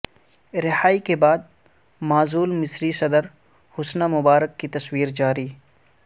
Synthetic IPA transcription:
ɾɪhaːikebaːd̪̚ | maːzuːlmɪsɾisɐd̪əɾ | hʊsnamʊbaːɾəkːit̪ɐswiːɾd͡ʒaːɾiː

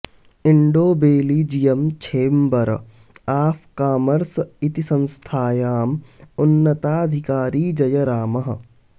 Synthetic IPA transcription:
ɪɳɖoːbeːliːd͡ʒijɐmt͡ʃʰeːmbɐɾ̰ | aːpʰkaːməɾsɪt̪isɐ̃nst̪ʰaːjaːmʊnːət̪aːɐd̪ʱɪkaːɾiːd͡ʒɐjɐɾaːmɐɦ̆

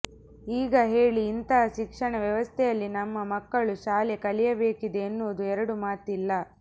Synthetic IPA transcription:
iːɡɐɦe̞ːɭiːnt̪ɐːʃikʂɐɳɐʋjɐʋɐst̪ʰɛjɐlːinɐmːɐmɐkːɐɭuʃaːlekɐlijɐbe̞ːkid̪e̞ːnːuʋɐd̪uɛɾɐɽumaːt̪ilːɐ

